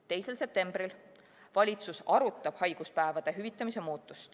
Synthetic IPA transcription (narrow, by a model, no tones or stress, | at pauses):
t̪e̞jse̞lse̞p̚t̪e̞mb̥ɾil | vɑlʲit̪susɑɾut̪ːˑɑb̥hɑjɡ̥uspæevɑd̪̥e̞ɦyvit̪ːˑɑmise̞muːt̪ˑːust̪